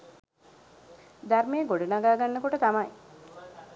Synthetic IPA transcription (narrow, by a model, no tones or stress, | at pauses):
d̪armejːɡoɖunaɡaːɡanːəkoʈət̪amɐj